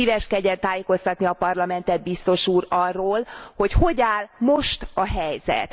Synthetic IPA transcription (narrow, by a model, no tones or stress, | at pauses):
iːvɛʃkɛɟɛt̪aːjeko̞st̪ɒt̪niɒpɒrlɒmɛnt̪ɛd̪̚bist̪o̞ʃuːrɒrːoːlho̞cho̞ɟaːlmo̞ʃt̪ɒɦɛjzɛ̰t̪